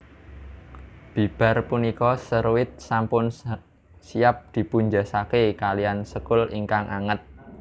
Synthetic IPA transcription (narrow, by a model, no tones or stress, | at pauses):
b̥i̤b̥a̤rpunikɔsəɾwɪt̪̚sampʊn | siap̚d̪̥i̤puɲd͡ʒasakekalijansəkʊliŋkaŋʔaŋət̪̚